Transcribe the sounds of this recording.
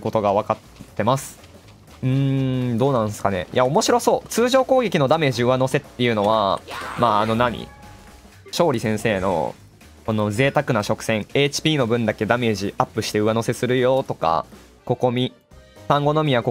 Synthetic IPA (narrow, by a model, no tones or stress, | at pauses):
ko̞t̪o̞ɡaβakat̪ːe̞masɨ̥ | ɯ̟̃ɴd̪o̞ːnãɰ̃sɨ̥kane̞̰jʔao̞mo̞ɕiɾo̞so̞ːt͡sɨːʑo̞ːko̞ːɡe̞kʲino̞d̪ame̞ːʑiɯano̞se̞t̪ːe̞jɯ̟no̞βa̰maːno̞naɲ̟ḭ | ɕo̞ːɾʲisẽ̞ɰ̃se̞ːno̞̰ | kono̞ze̞ːt̪akɯ̟naɕo̞kɯ̟̥sẽ̞ɴe̞ːt͡ɕi̥pʲiːno̞bɯ̟̃nd̪ake̞d̪ame̞ːʑiʔapːɯ̟ɕi̥t̪e̞ɯ̟βano̞se̞sɨɾɯ̟jo̞t̪o̞ka̰ | ko̞ko̞mʲi | sãŋɡo̞no̞mʲiako